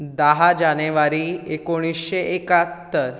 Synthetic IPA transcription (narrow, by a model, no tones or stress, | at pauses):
d̪aɦad͡ʑaneʋaɾiekoɽ̃isɕeʔekat̪ːəɾ